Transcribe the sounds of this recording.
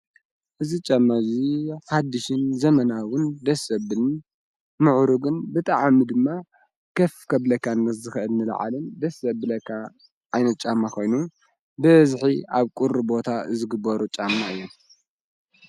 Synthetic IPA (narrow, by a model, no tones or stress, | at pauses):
ʔɨzit͡ʃʼamːaziħad̪ɨʃɨnzɐmɐnawʊnd̪ɐsɐβɨn | mɨʕɾuɡɨnbɨt̪ʼaʕmid̪ɨmːa | kʰɐfkʰɐβlɐkːanːɐszɨxɨʔɨlnɨl̰ʕa̰lɨnd̪ɐsɐbɨlɐkʰːa | ʔajnɐt̪̚t͡ʃʼamːakʰo̞jnu | bɨβzħiaβkʼuɾɨbo̞t̪ʰazɨɡɨbːɐɾut͡ʃʼamːaɨjːom